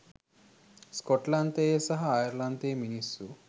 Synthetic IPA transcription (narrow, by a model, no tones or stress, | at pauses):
skɔʈlant̪eːsɐɦɐːjɐɾlant̪eːminisu